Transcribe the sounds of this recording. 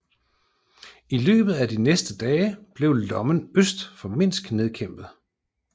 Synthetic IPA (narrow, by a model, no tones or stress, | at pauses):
ilø̰ːb̥ð̩ˠæd̥inesd̥əd̥ɛːb̥le̝ʊlɒ̽mənøsd̥fɒ̽me̝n̰sɡ̥ne̝ð̞ˠkʰem̰b̥ð̩ˠ